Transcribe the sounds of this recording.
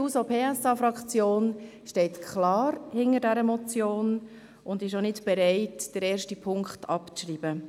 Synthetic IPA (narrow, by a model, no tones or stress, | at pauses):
uːsopʰeːɛsɑfɾɑkt͡sjoːnʃtɛɪtkʰχlɑːɾhɪnəɾdɛɾəmɔt͡sjoːn | ʊndɪʃonɪtb̥ɛɾɛɪtd̥əɾɛːɾʃtipʰʊŋkχtɑpt͡sʃriːb̥ə